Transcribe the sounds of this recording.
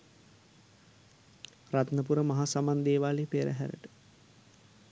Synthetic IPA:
rat̪nəp̬uɾəmaɦasamand̪eːʋaːleːpeːɾəɦæ̰ɾə̰ʈə̥

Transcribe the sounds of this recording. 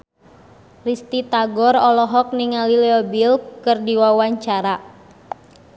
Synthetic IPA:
rist̪it̪aɡɔrɔlɔɦɔk̚niŋalilɛɔbilkərdiwawaɲt͡ʃaɾa

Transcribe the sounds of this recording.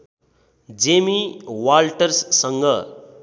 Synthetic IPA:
d͡zemiwalʈʌrsːʌŋɡʌ

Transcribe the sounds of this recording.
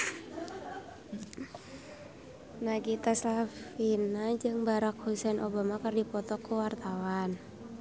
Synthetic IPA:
naɡit̪aslafinad͡ʒɨŋbaɾak̚husɛnʔobamakɨrdipɔt̪ɔkuwart̪awan

